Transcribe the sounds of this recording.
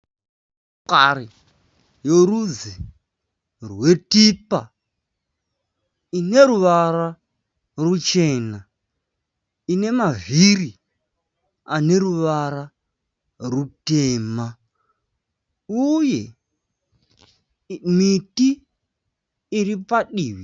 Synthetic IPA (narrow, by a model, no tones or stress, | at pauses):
kaɾi | jorud͡zi | rwe̞tipa̰ | ine̞ɾuʋaɾa | rut͡ʃe̞ːna | ine̞maviri | ane̞ɾuʋaɾa | ruteːma | uje̞ | miti | ripaɗiːʋi